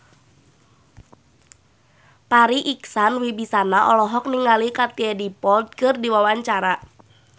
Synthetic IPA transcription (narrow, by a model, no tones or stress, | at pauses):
paɾiʔiksanwibisanaʔɔlɔɦɔk̚niŋalikat̪iɛdipɔld̪̚kɨrdiwawaɲt͡ʃaɾa